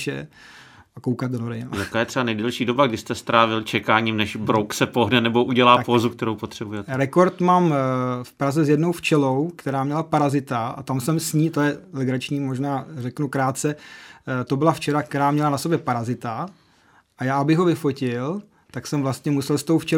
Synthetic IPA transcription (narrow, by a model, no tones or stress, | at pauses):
ʃɛ̰ | akowkat̪̚donoɾɛn̰jakaːjɛt̪r̥ɛbanɛjdɛlʃiːdo̞baɡdɪst̪ɛst̪ɾaːvɪlt͡ʃɛkaːɲiːmnɛʃbɾowksɛpoɦnɛnɛbo̞ʔuɟɛlaːpozukt̪ɛɾowpot̪r̥ɛbujɛɾɛko̞ɾt̪maːmfpɾazɛzjɛdno̞wft͡ʃɛlowkt̪ɛɾaːmɲɛlapaɾazɪt̪aʔa̰t̪amsɛmsɲiːt̪ojɛlɛɡɾat͡ʃɲiːmoʒnaːrɛknukɾaːt̪t͡sɛt̪o̞bɪlaft͡ʃɛɾak̚t̪ɛɾaːmɲɛlanaso̞bjɛpaɾazɪt̪a | ʔajaːabɪɣɦovɪfo̞cɪl | t̪aksɛmvlast̪ɲɛmusɛlst̪owft͡ʃɛ